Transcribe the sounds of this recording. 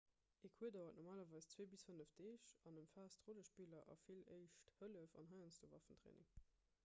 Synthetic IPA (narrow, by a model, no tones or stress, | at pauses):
ekʰuədaːvɐtnɔʁmaːlɐvɑɪst͡sweːbisfənəfdeːʃɑnəmfaːstʁoləʃpilɐʔɑ̰filəɪʃthələfɑ̰nɦɑɪɑnsd̥ovɑ̰fəntʁḛːnɪ̰ŋ